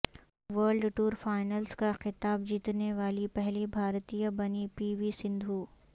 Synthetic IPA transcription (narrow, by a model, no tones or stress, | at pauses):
ʋəːɾlɖʈuːɾfaːɪnəlskaxɪt̪aːbd͡ʒiːt̪neʋaːlipɛɦlibʱaːɾt̪ijabɐnipiːʋisɪ̃nd̪ʱuː